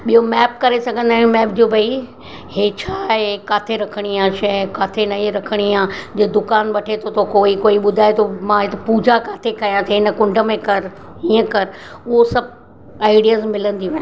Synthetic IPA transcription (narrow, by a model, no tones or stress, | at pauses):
ɓijomɛːp̚kɐɾesɐɡʱə̃nd̪ãːmɛːpd͡ʑoːbʱɐi | heːt͡ɕʰaːɦekaːt̪ʰeɾɐkʰəɽ̃ijãʃɐkaːt̪ʰenɐɾɐkʰəɽ̃iãd͡ʑeːd̪ʊkaːnɓɐʈʰet̪ʰot̪ʰokoːikoːiɓʊd̪ʱaːet̪ʰomãɦɪt̪puːd͡ʑʱakaːt̪ʰekɐjãt̪ʰeɪnə̆kʊ̃ɳɖʱəmẽkɐɾ | ɦiːə̃kɐɾʊɦosɐb̚ʱ | aːɪɖijazmɪlə̃nd̪iʋ̃